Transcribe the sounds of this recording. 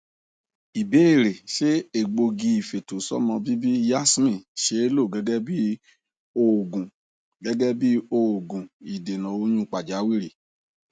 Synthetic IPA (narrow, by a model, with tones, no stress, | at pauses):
i˨be˨˦e˦˨ɾe˨ʃe˦e˨ɡ͡bo˧ɡĩ˧i˨fe˨to˨sɔ̰˦mɔ̃˧bi˦bi˦ja˦smĩ˦˨ʃe˧˦e˦lo˦˨ɡɛ˨˦ɡɛ˦bi˦ | o˧˨ɡũ˨ | ɡɛ˨˦ɡɛ˦bi˦o˧˨ɡũ˨i˨de˨nã˨o˧j̃ũ˦˨k͡pa˨d͡ʒa˨˦wi˦ɾi˨